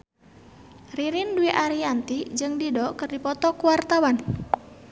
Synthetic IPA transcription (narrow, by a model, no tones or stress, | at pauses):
riɾinduiʔaɾiant̪id͡ʒɨŋdidɔkɨrdipɔt̪ɔkuwart̪awan